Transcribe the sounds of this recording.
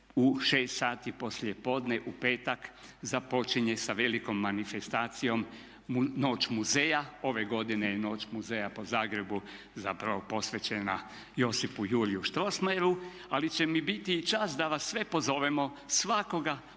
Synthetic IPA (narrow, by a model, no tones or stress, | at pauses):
uʃeːst̪saːt̪ipo̞slʲjepo̞ːd̪neʔupe̞ːt̪akzapo̞t͡ʃiɲesaʋe̞liko̞mːanifest̪aːt̪sijo̞m | no̞ːt͡ʃmuzeːjao̞ʋe̞ɡo̞d̪inejeno̞ːt͡ʃmuzejapo̞zaːɡɾe̞bu | zapɾaʋo̞po̞sʋet͡ɕena | jo̞sifujuɾijuʃt̪ɾo̞smaɾu | alit͡ɕe̞mibit̪iːt͡ʃasd̪aʋasːʋe̞po̞zo̞ʋemo̞ | sʋako̞ɡa